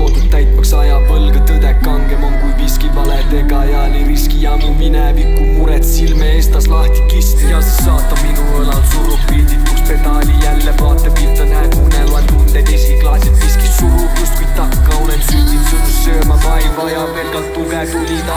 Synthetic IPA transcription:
ot̪ut̪æjt̪ːmɑksɑjɑpɤlɡ̥ɑt̪ɤd̪ekːɑŋɡ̥emoŋkujviskivɑlet̪eɡɑjɑniriskijɑmiminɛvikːuuɾɛt̪silmeest̪ɑslɑht̪i̥kist̪ijɑsi̥sːɑːt̪ːˑɑbminuolɑt̪suluppiːd̪it̪ːukspet̪ɑlʲijælːevɑːt̪ˑːepit̪ːɑnænuneluɑt̪mut̪ːeiskiklɑːsɑt̪viskissuɾupjust̪kujʲt̪ɑkːɑonet̪siːt̪it̪ːut̪issøːmɑpɑivɑjɑvelkɑlt̪ːumɛt̪ulit̪ɑ

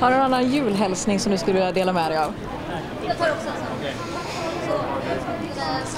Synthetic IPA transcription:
haɖɵnnanːanjʉ̟ːlɦɛlsnɪŋsɔmd̪ɵskɵlːvɪlad̪eːlamɛd̪ɛjav | t̪ʰɑːɾɔksɔ

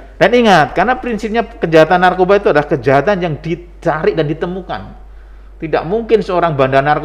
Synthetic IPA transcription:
d̥aniŋat̪̚karnapɾinsɪp̚ɲakəd͡ʒaɦat̪anːarkobait̪uadlahkəd͡ʒaɦat̪anjaŋdi | t͡ʃaɾɪdandit̪əmuka̰n | t̪ida̰ʔmuŋkɪnsəoɾaŋbandanark

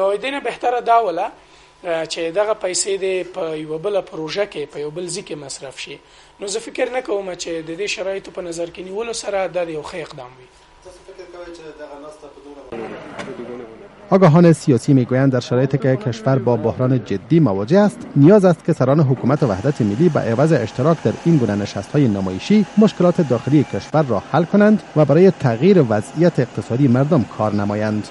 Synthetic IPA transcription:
nod̪enabeht̪aɾad̪ɑwəla | t͡ʃed̪aɣapajsed̪epəjawabəlapɾoʒakepəjawbəlzikemasɾafʃi | nozəfɪkəɾnakawəmat͡ʃed̪əd̪eʃaɾɑjɪt̪opənazaɾkeniwəlosaɾad̪ɑd̪əjawxəɪqd̪ɑ̰mwi | t̪fɪkwed̪aɣnst̪apəd̪ | ɒɡɒɦɒnesijɒsimeɡujand̪aɾʃaɾɔjet̪ekekʰeʃfaɾbɒbohɾɑːned͡ʒɪd̪ːimawɒd͡ʒeast̪nijɒzast̪̚kesaɾɔneɦʊkumat̪eva̰hd̪at̪ʰemilːiba̰ʔevazeɪʃt̪ɪɾɒkd̪aɾinɡunanɪʃast̪hɒjenamɔ̰jeʃimoʃkɪlɒt̪ed̪ɒxɪlijekʰeʃfaɾːɔhalkonand̪vabaɾɔjet̪ʰaɣjiɾeʋazijat̪eːq̚t̪ɪsɒd̪imaɾd̪ʊmkʰɒɾnamɒjand̪

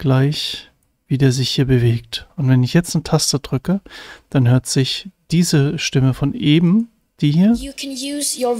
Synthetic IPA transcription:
ɡ̥laɪç | viːdeːɐzɪçhiːɐbəveːk̚tʊntv̥ɛnɪçjɛt͡stnətʰastəd̥ʁʏkəd̥anɦøːɐtz̥ɪçd̥iːzəʃtɪməfɔnʔeːbm̩ | d̥iːɦiːɐjɨkʰnjʉːzjə

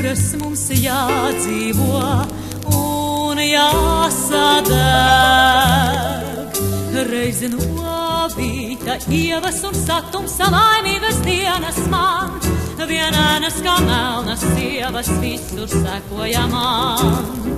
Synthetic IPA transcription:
ɾɐsmumsjaːd̪ziːvuɔ | unjaːsad̪ɛ | ɡɾɛjznuɔbit̪aiɛvɐsunsat̪ːumsalajniːɡɐsd̪iɛnɐsmanviɛnæːnɐskaːmælnɐsiɛvɐsvisuɾsækuɔjama

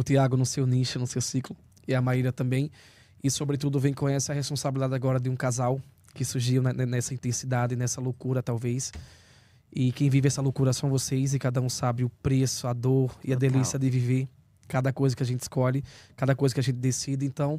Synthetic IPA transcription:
ʊt̪iaɡʊnʊsewniʃʊnʊsewsiklʊ | ɪɐmaɾiɾɐt̪ɐ̃mbẽj̃ | ɪsobɾɪt̪ud̪ʊvẽj̃kõɲɛsɪɐhespõsabilid̪ad̪ɪaɡɔɾɐd̪ɪũkazaw | kɪsuɾʒiwnɐnɛnɛsɐĩt̪ẽsid̪ad̪ɪnɛsɐlowkuɾɐt̪awvejs | ɪkẽj̃vivɪɛsɐlokuɾɐsɐ̃w̃vosejz̬ɪkad̪ɐũsabɪʊpɾesʊɐd̪oɾɪɐd̪elisiɐd̪ɪviveɾ | kad̪ɐkojzɐkɪaʒẽnt̪ɪ̥skɔʎɪkad̪ɐkojzɐkɪaʒẽnt̪ɪd̪esid̪ɪẽnt̪ɐ̃w̃

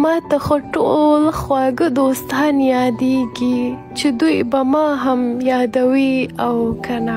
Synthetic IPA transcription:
mɑt̪axoʈo̰lxwɑɡəd̪ost̪ɑnjɑd̪eɡi | t͡ʃed̪ujbamɑɦamjɑd̪awiawkʰana

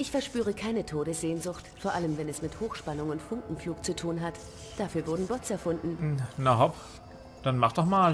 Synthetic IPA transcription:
ʔɪçfɛɐʃpyːʁ̞əkʰaɪnətʰoːɾəsz̥eːnzʊxtfoːɐʔaləmvɛnɛsmɪthoːxʃpanʊŋʊntfʊŋkŋ̩fluːk̚t͡sutʰuːnɦat | d̥afyːɐvʊɐdn̩bɔɐt͡sɛɐfʊndn̩naɦɔp | d̥anmaχd̥ɔχmaːl

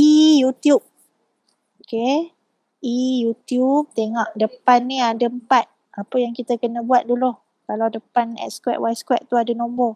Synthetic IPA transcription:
ijut̪jup̚ | oke | ʔijut̪jup̚t̪eŋɔʔ̚dəpanːiadəəmpat̪̚ | apəjaŋkit̪əkənəbuat̪̚duloh | kalawdəpanɛ̰t̪skwɛ̰ʔ̚wajskwɛʔ̚t̪uadənɔ̃mbɔ

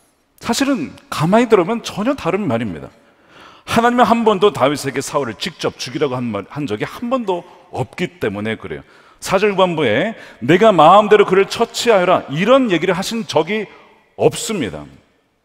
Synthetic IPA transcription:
sʰaɕʰiɾɯnkamaɲidɯɾʌmjʌnt͡ɕʌɲʌtaɾɯnmaɾimɲḭda̰ | hanaɲimeɦanbʌndotaɥisʰe̞ɡe̞sʰauɾɯɭt͡ɕik̚t͡ɕ͈ʌp̚t͡ɕuɡiɾaɡohand͡ʑʌɡihambʌndo | ʌp̚k͈it͈e̞mune̞kɯɾe̞̰jo̰ | sʰad͡ʑʌɭɡwanbue̞ne̞ɡamaɯmde̞ɾokɯɾɯɭt͡ɕʰʌt͡ɕʰiɦajʌɾaiɾʌnje̞ɡiɾɯɭɦaɕʰinnt͡ɕʌɡi | ʌp̚s͈ɯmɲida̰

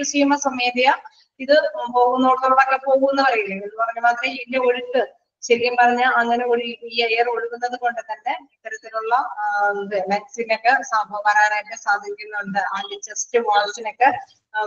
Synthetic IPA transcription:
usiːmɐsɐmed̪ijɐ | iðɨpo̞ːɣunːoɽɐðoɐðɐkːepo̞ːɣuenːɨpɐrɐjuɳeenːɨpɐrɐɲːumaːt̪rɐndeo̞ɻuʈːɨ | ɕɐɾikʲːɐmpɐrɐɲːaːlɐŋːɐne̞oɾiiːejɐro̞ɻukːunːɐðɨko̞ɳɖɨt̪ɐnːe̞it̪ːɐɾɐt̪ːiluɭːɐ | ʋjɐk̚sinokːesaːbʱɐʋɐɾaːɾejokːesaːd̪ʱiɾikʲːunːɐuɳɖɨaːlit͡ɕːɐstɨʋaːɭsino̞kːe

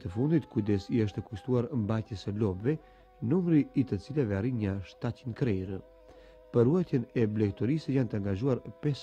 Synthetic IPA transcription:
t̪əfund̪it̪kud̪ɛsiəʃ̬t̪ɛkuʃt̪uaɾmbajt̪jəsəlɔbvɛ | numɾiːt̪ət͡silavɛaɾiɲəʃt̪acinkɾɛɾə | pəruajt̪jɛnɛblɛk̚t̪ɔɾisəjant̪əaŋɡaʒuaɾpɛs

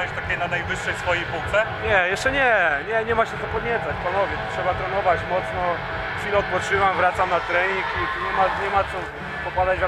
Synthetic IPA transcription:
ɛɕt̪akʲenanajvɘʂːɛjsfɔjejpuwt̪sɛɲɛjɛʂt͡ʂɛɲɛɲɛɲɛmaɕɛt̪ɔpɔd̪ɲɛt̪sat͡ɕpanɔvʲjɛt̪tʂɛbat̪ɾɛnɔvat͡ɕmɔt̪snɔ | xfʲilɛɔt̪̚pɔtt͡ʂɘvamvɾat̪samnat̪ɾɛɲikit̪uɲɛmaɲɛmat̪sɔ | pɔpad̪ad͡ʑvʲa

